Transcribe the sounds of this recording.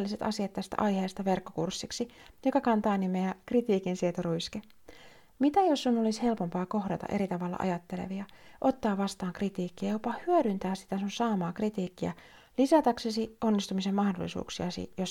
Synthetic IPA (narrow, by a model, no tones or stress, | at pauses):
lːiset̪ɑsiɑt̪t̪ːæst̪æ̰ʔɑjhe̞ːst̪ɑʋe̞rkːo̞kursːiksijo̞kɑkɑnt̪ɑːnimeɑkrit̪iːkinsiet̪oruiske | mit̪æjosːunolishe̞lpo̞mpɑːko̞hdɑt̪ɑ̰ʔe̞ɾit̪ɑʋɑlːɑ̰ʔɑ̰jɑt̪ːe̞lḛʋiɑʔo̞t̪ːɑːʋʋɑst̪ɑːŋkrit̪iːkːiɑjopɑhyødynt̪æːssi̥t̪æsunsɑːmɑːkrit̪iːkːiæ̰ | lisɑt̪ɑksesio̞nːist̪umise̞mːɑhdolːisṵːksiɑsḭjos